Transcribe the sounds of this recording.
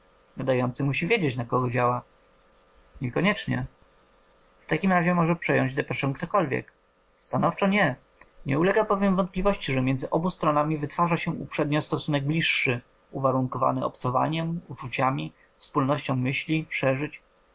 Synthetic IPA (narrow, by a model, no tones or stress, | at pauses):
nad̪ajɔnt̪sɘmuɕivʲjed͡ʑet͡ɕnakɔɡɔd͡ʑawa | ɲɛkɔɲɛt͡ʂɲɛ̰ | ft̪akʲimɾaʑɛmɔʐɛpʂɛjɔɲd͡ʑd̪ɛpɛʂɛŋkt̪ɔkɔlvʲjɛ̰k | st̪anɔft͡ʂɔɲɛ | ɲɛulɛɡapɔvʲjɛmvɔnt̪̚plʲivɔɕt͡ɕiʐɛmʲjɛnd̪zɘʔɔbust̪ɾɔnamʲivɘt̪faʐaɕɛṵpʂɛd̪ɲɔst̪ɔsunɛɡ̚blʲiʂːɘ | uvaɾuŋkɔva̰nɘɔ̰pt̪sɔva̰ɲɛmut͡ʂut͡ɕamʲi | fspulnɔɕt͡ɕɔ̃w̃mɘɕlʲipʂɛʐɘt͡ɕ